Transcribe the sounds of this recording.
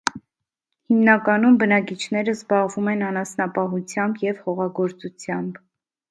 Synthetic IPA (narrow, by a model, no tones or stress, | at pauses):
himnɑkɑnumbənɑkit͡ʃʰnɛɾəzbɑʁvumɛnɑnɑsnɑpɑɦut͡sʰjɑmbjɛvhɔʁɑɡɔɾt͡sut͡sʰjɑmb